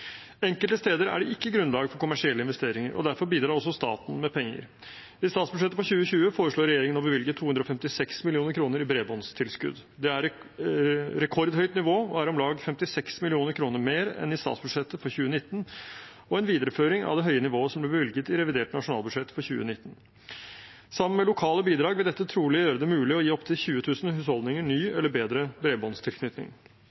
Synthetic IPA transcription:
ɛŋkəlt̪əst̪eːd̪əɾæ̰ɖɛʔɪkːəɡɾʉnlɑːɡəfɔɾkʰʊmæʂɪɛlːəɪnʋɛst̪eːɾɪŋəɾɔ̰d̪æɾfɔɾbiːd̪ɾɑːɾɔsɔst̪ɑ̰ːt̪n̩mɛpʰɛŋːə̰ɾ | ɪst̪ɑːt̪sbʉ̥ʂɛt̪ːəfɔçʉːəçʉːəfoːɾəʂɭoːɾɛjeːɾɪŋənɔbəʋɪlɡət̪ʰuːʉnd̪ɾɔfɛmt̪ɪsɛksmɪlɪuːnəɾkʰɾuːnəɾɪbɾeːbɔnst̪ʰɪlskʉ̰d̪ | d̪ɛæɾ | ɾɛkʰɔɾd̪hœʏt̪nɪʋoːɔæɾɔmlɑːɡfɛmt̪ɪsɛksmɪlɪuːnəɾkʰɾuːnəɾmeːɾɛ̰nɪst̪ɑ̰ːt̪sbʉd̪ʂɛt̪ːəfɔɾçʉːənɪt̪ːn̩ | ɔɛnʋiːd̪əɾəføːɾɪŋɑ̰ʋd̪ɛɦœʏənɪʋoːəʂsɔmblɛbəʋɪlɡət̪ɪɾɛʋɪd̪eːʈnɑʂʊnɑːlbʉd̪ʂɛt̪ːfɔɾçʉ̰ːə̰nɪt̪ːən̩ | sɑmːənmɛlʊkʰɑːləbiːd̪ɾɑːɡʋɛd̪ɛt̪ːət̪ʰɾuːlɪjøːɾəd̪ɛmʉːlɪɔjiːɔpt̪ʰɪlçʉːət̪ʰʉːsnhʉːshɔld̪nɪŋəɳyːɛlːəɾbeːd̪ɾəbɾeːbɔnst̪ʰɪlkʰnʏt̪nɪ̰ŋ

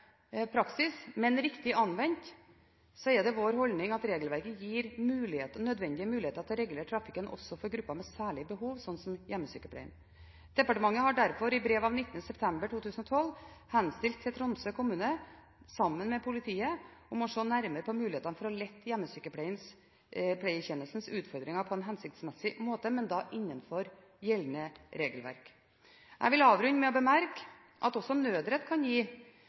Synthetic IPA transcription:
pʰɾɑksɪsmɛnɾɪkt̪ɪʔɑnʋɛnt̪ | sɔɛɖ̪ɛʋoːɾhɔlnɪŋɑt̪ɾeːɡəlʋæɾkəjiːɾmʉːlɪheːt̪ənœd̪ʋɛnd̪ɪəmʉːlɪheːt̪əɾɑt̪̚d̪ɛɾɛɡləʈʰɾɑfɪkənʔɔ̰sːɔfɔɾɡɾʉpːɑmɛsæːɭɪəbəɦuːʋsɔnːsɔmjɛmːəsyːkəpʰɽɛ̰ɪn | d̪̥ɛpɑʈəmɑŋːəhɑɖæɾfɔɾɪbɾeːʋɑʋnɪt̪ːənəsɛpt̪ʰɛmbəʈʰuːt̪ʰʉːsənɔt̪ʰɔlːhɛnst̪ɪlt̪ʰːɪɛt̪ʰɾɔnsøkʰʊmʉːnə | sɑmːənmɛpʰʊlɪt̪ʰiːəɔmɔʂɔːnæɾməɾəpʰɔmʉːlɪeːt̪ɑnəfɔɾɔlɛt̪ːjɛmːəsyːkəpʰlɛɪns | pʰlɛɪəçɛnːəlsn̩sʉːt̪fɔɾd̪ɾɪŋɑɾpʰɔɛnɦɛnsɪk̚t̪smɛsːɪmoːt̪əmɛnd̪ɑʔɪnːənfɔɾ | jɛlnəɾeːɡəlʋæ̰ɾk | ʔæ̰ɪʋɪlɑːʋɾʉnːəmɛɔbəmæɾk | ʔɑ̰t̪ɔsɔnøːd̪ɾət̪kʰɑnjiː

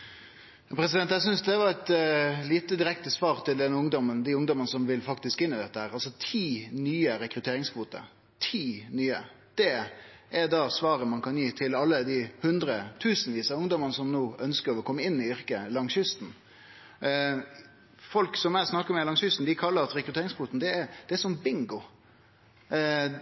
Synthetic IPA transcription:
jɑpʰɾɛsɪd̪ɛnt̪jæɪs̬ʏnsd̪ɛʋɑʁɛt̪liːt̪əd̪ɪɾɛkt̪əsʋɑːɾt̪ʰɪld̪ɛnːəʊŋd̪ɔmːənd̪ɪʊŋd̪ɔmənəsɔmʋɪlfɑkt̪ɪskɪnːɪd̪ɛt̪ːəhæːɾɑlsɔt̪ʰiːnyːəɾɛkɾʉt̪ʰeːɾɪŋskʰʋuːt̪ə̰ | t̪ʰiːnyːə | d̪̥ɛ | ʔɛɾd̪ɑːsʋɑːɾəmɑnkʰɑnjiːt̪ʰɪlɑlːəd̪ɪhʉnd̪ɾət̪ʰʉːsənʋiːsəʊŋd̪ɔmənəsɔmnoːœnskəɾɔkʰɔmːəɪnːɪʏɾkəlɑŋsʏst̪n̩ | fɔlksɔmæɪsnɑkːəɾɔmɛlɑŋsʏst̪n̩d̪ɪkʰɑlːəɾɑt̪ɾɛkɾʉt̪eːɾɪŋskʰʋuːt̪n̩d̪ɛːɾd̪̥ɛɛʂɔmbɪŋɡʊ

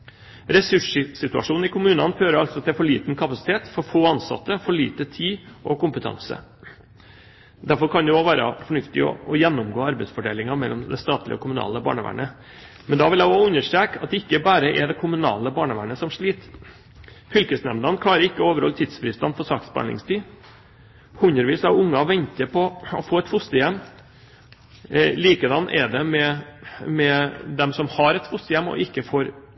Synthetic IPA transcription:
ɾɛsʉʂsɪt̪ʉɑ̰ʂuːn̩ɪkʰʊmʉːnɑnfɾøːɾəɾɑlsɔt̪ʰɛfɔɭiːt̪n̩kʰɑpɑsɪ̥t̪ʰeːt̪fɔɾfoːɑnsɑ̰t̪ːəfɔɭiːt̪ət̪ʰiːʔɔkʊmpət̪ʰɑ̰ŋsə̰ | d̪æɾfɔɾkʰɑnd̪ɛoʋæːɾə̰fɔɳʉft̪ɪɔ̰ɔjɛnːʊmɡoːɑɾbɛɪsfɔɖḛːlɪŋɑmɛlːɔmd̪ɛst̪ɑːt̪lɪəɔ̰kʰʊmʉnɑ̰ːləbɑ̰ːɳəʋæ̰ːɳə | mɛnd̪ɑʋɪljæɪoʉnːəʂʈ̪ɾeːkɑt̪̚d̪ɛɪkːəbæːɾəʔɛɖ̪ɛkʰʊmʉnɑ̰ːləbɑːɳəʋæːɳəsɔmʂɭiːt̪ | fʏlkəsnɛmd̪ɑnk̪ʰɑːɾəɾɪkːəoːʋəɾhɔlt̪ʰɪd̪sfɾiːst̪ɑnfɔsɑːksbɑ̰ɳɪ̰ŋst̪ʰiː | hʉɲəɾʋiːsɑʊŋːɑʋɛɲt̪əɾpʰɔɔfoːɛt̪fʊst̪əjɛmː | liːkəd̪ɑnːʔɛɖ̪ɛmɛmɛd̪ɛmsɔmhɑɾɛt̪fʊst̪əjɛmːɔ̰ʔɪkːəfoːɾ

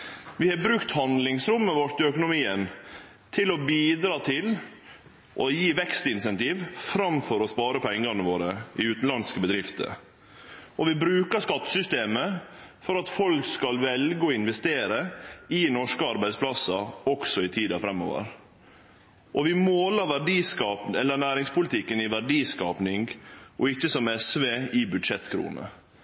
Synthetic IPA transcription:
ʋɪhɑbɾʉkt̪hɑnd̪lɪŋsɾʊmːəʋɔɾt̪ɪœkʊnʊmiːən | t̪ʰɪlɔbiːd̪ɾɑːt̪ʰɪl | ʔɔjiːʋɛkst̪ɪnsɛnt̪iːʋfɾɑmfɔɾɔspɑːɾəpʰɛŋːɡɑnəʋoːɾəʔɪʉːt̪n̩lɑnskəbəd̪ɾɪft̪ə̰ | ʔɔʋɪbɾʉːkəʂkɑt̪ːə̥sʏst̪eːmə | fɔɾɑt̪fɔlkskɑlʋɛlɡəɔɪnʋɛst̪eːɾəɪnɔʂkəɑɾbæɪd̪spʰlɑsɑɔksɔɪt̪ʰiːd̪ɑfɾɛmːo̰ːʋə̰ɾ | ʔɔʋɪmoːlɑɾʋæɖiːskɑːpɛlːənæːɾɪŋspʊlɪt̪ʰɪkːənɪʋæɖiːskɑːpnɪŋɡʔɔɪçːəsɔmɛsʋeːɪbʉd̪ʂɛt̪ːkʰɾṵːnə̰

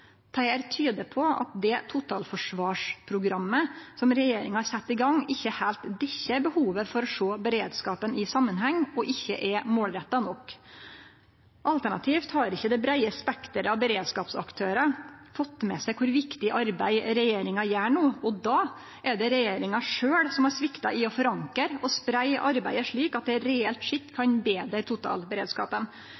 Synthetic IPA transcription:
t̪ʰæɪæɾt̪ʰyːd̪əpʰɔɑ̰t̪̚d̪ɛt̪ʰʊt̪ʰɑːlfɔʂʋɑːʂpʰɾʊɡɾɑmːəsɔmɾɛjeːɾɪŋhɑɾsɛt̪ːɪɡɑŋːɪçːəhælt̪d̪ɛçːəbəhuːʋəfɔɾɔʂoːbəɾeːd̪skɑːpənɪsɑmːənɦɛŋːɔʔɪçːəʔɛmoːlɾɛt̪ːɑnɔk | ʔɑlt̪æɳɑ̰t̪ʰiːft̪hɑɾɪçːəd̪ɛbɾæɪəspɛkt̪əɾɑʋbəɾeːd̪skɑːpsɑ̰kt̪ʰøːɾɑfɔt̪ːmɛsæɪkʰʊɾʋɪkt̪ɪʔɑɾbæ̰ɪɾɛjeːɾɪŋɑjæːɳuːɔd̪ɑː | ʔɛɖ̪ɛɾɛjeːɾɪŋɑʂøːɽsɔmæɾsʋɪkt̪ɑʔɪɔfɔɾɑŋkəɾɔspɾæɪʔɑɾbæ̰ɪəʂɭiːkɑt̪̚d̪ɛɾɛɛlt̪ʂɪt̪ːkʰɑnbeːd̪ɾəɾt̪ʰʊt̪ʰɑ̰ːlbəɾeːd̪skɑ̰ːpən

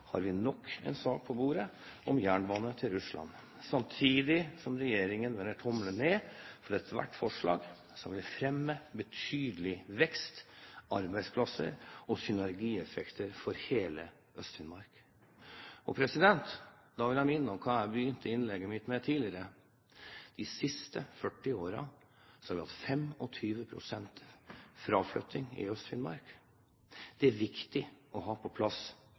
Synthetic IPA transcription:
hɑ̰ɾʋɪnɔkʰːɛ̰ɪnsɑːk̚pʰɔbuːɾəɔmjæːɳbɑːnət̪ʰɪlɾʉslɑ̰n | sɑmt̪ʰiːd̪ɪsɔmɾɛjeːɾɪŋənʋɛnːəʈʰɔmləneːfɔɾɛt̪ʰʋæ̰ʈːfɔʂɭɑ̰ːɡ | sɔmʋɪlfɾɛmːəbət̪ʰyːd̪əlɪʋɛkst̪ʔɑɾbæɪspʰlɑsə̰ɾɔsʏnæɾɡiːɛfɛkt̪əɾfɔɾheːlə | œst̪fɪnmɑɾk | ɔpʰɾɛsɪd̪ɛnt̪d̪ɑʋɪljæɪmɪnːəɔmkʰɑːæɾbəjʏnt̪ʰəɪnlɛɡːəmɪt̪mɛt̪ʰiːlɪəɾə | d̪̥ɪsɪst̪əfœʈːɪoːɾɑ | sɔ̥hɑɾʋɪhɑ̰t̪fɛmɔt̪ʰyːʋəpʰɾʊ̰sɛnt̪fɾɑʋflœ̰t̪ʰːɪŋɪ̰œst̪fɪnmɑ̰ɾk | d̪̥ɛæɾʋɪkt̪ɪɔɦɑːpʰɔpʰlɑs

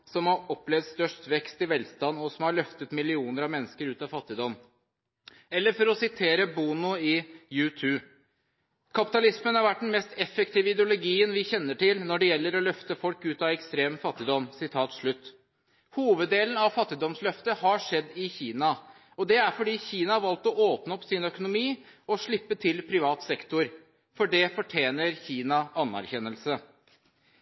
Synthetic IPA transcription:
sɔmhɑɾɔplɛʋd̪st̪œʂʈʋɛkst̪ɪʋɛlst̪ɑnːɔsɔmhɑɭœft̪ət̪mɪlɪuːnəɾɑʋmɛnːəskəɾʉːt̪ɑfɑt̪ːɪd̪ɔmː | ɛlːəɾfɔɾɔsɪt̪ʰeːɾəbuːnʊɪjʉːt̪ʰʉː | kʰɑpɪ̥t̪ɑlɪsmənhɑɾʋæʈ̚ːɖɛnmɛst̪ɛfːəkt̪iːʋəɪd̪ɛʊlʊɡiːənʋɪçɛnːəʈɪlnɔɖɛjɛlːəɾɔlœft̪əfɔlkʉːt̪ɑʋɛkst̪ɾeːmfɑt̪ːɪd̪ɔmːsɪt̪ʰɑːt̪ʂɭʉt̪ː | huːʋəd̪ːeːln̩ɑʋfɑt̪ːɪd̪ɔmslœft̪əhɑʂɛd̪ːɪçiːnɑ | ɔd̪ɛæɾfɔɖiːçiːnɑhɑɾʋɑlt̪ɔoːpnəɔpsɪnœkʊnʊmiːɔʂɭɪpːət̪ʰɪlpʰɾɪʋɑːt̪sɛkt̪ʊɾ | fɔɖɛfɔʈʰjeːnəɾçiːnɑɑnːæ̰ɾçɛnəlsə

